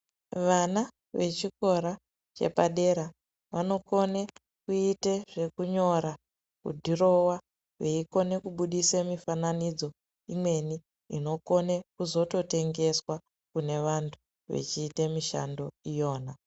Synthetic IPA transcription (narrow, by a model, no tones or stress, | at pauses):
ʋana | ʋe̞t͡ʃiko̞ɾa | t͡ʃe̞̰paɗe̞ɾa | ʋano̞kone | kuite̞ʐe̞kuɲo̞ɾa | kṵdʱiro̞wa | ʋeiko̞ne̞kuɓuɗisemifananid͡zo̞ | imwe̞ni | ino̞ko̞ne̞kuzo̞to̞te̞ŋɡe̞swa | kune̞ʋantʰu̥ | ʋḛt͡ʃiːtemiʃa̰ndo̞ijo̞ːna